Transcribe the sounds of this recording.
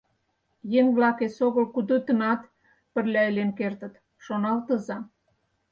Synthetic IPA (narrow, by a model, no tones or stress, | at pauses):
jeŋβlɑkesoɣə̆lkud̪ət̪ə̆nɑt̪ | pə̆rlʲæelenkert̪ə̆t̪ | ʃonɑlt̪ə̆zɑ